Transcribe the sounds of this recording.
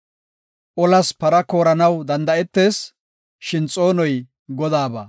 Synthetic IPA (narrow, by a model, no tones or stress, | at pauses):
ʔɔlɐspɐɾɐko̞ːɾɐnɐwd̪ɐnd̪ɐɛt̪ːe̞ːs | ʃɪnt͡sʼo̞ːnɔj | ɡɔd̪aːbɐ̰